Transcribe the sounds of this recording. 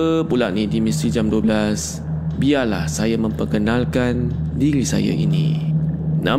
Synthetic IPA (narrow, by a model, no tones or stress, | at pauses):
əpulaʔnidimist̪ɾid͡ʒamduablas | biala̰hsajamə̃mpəkənãlkandiɾisa̰ja̰ʔḭnḭ̃ | nã̰